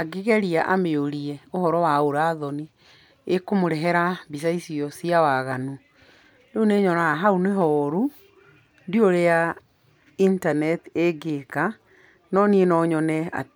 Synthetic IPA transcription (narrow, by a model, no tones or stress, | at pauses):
aɡeɣɛɾiaʔameoɾiɛohɔɾɔwaoɾaːðɔni | ekomoɾɛɦɛɾabis̬aisiɔsiawaɣanu | neuneɲɔnaaɦauneɦɔːɾu | ndioɾea | intanɛteɡeka | nɔnienɔɲɔnɛa̰